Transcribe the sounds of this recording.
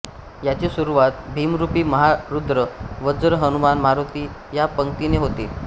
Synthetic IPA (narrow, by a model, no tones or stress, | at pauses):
jat͡ɕisuɾuʋat̪̚bʱiːmɾupiːməɦaɾud̪ɾəʋəd͡zɾəɦənumanmaɾot̪iːjapəŋk̚t̪ineɦot̪eː